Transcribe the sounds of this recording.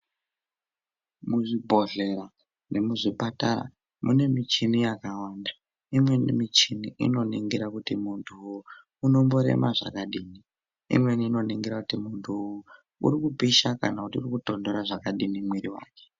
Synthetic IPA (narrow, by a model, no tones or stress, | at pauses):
muʐibʱo̞ɮe̞ɾa | nemuʐipatara̰ | mune̞mit͡ʃinijakawaːnda | imwenmit͡ʃiniʔḭno̞niŋɡiɾakutimuntʰuː | no̞mbo̞ɾe̞̰maʐa̰kaɗiːni | ḭmweniːno̞niŋɡiɾakutimuntʰuju | ṵɾikupiʃaka̰nakutiurikuto̞ndo̞ɾaʐakaɗinimwiɾiwa̰ːke̥